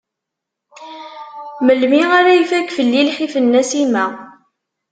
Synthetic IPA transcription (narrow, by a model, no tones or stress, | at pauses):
məlmiʁaɾæjifækːfəlːilħifənːæsimæ